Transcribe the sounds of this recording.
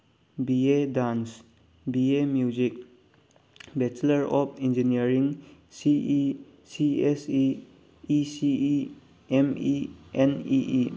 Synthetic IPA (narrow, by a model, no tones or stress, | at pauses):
biedans | biemjuzik̚ | bɛt͡ʃləɾɔp̚ʰind͡ʒiniəɾiŋ | sii | siesiː | si | emieniʔi